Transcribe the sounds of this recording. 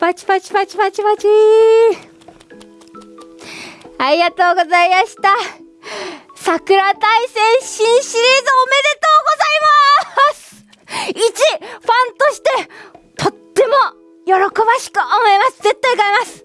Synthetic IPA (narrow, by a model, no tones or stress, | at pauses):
pat͡ɕi̥pat͡ɕi̥pat͡ɕipat͡ɕipat͡ɕi | aɾʲiɡat̪o̞ːɡo̞zaimaɕi̥t̪a | sakɯ̟ɾat̪aisẽ̞ɰ̃ɕĩɰ̃ɕiɾʲiːzɨome̞d̪e̞t̪o̞ːɡozaimasɨ̥ | it͡ɕiɸãnt̪o̞ɕi̥t̪e̞t̪ʰot̪ːe̞mo̞ | jo̞ɾo̞ko̞baɕi̥kɯ̟ʔomo̞imasɨ̥ze̞t̪ːaikaimasɨ̥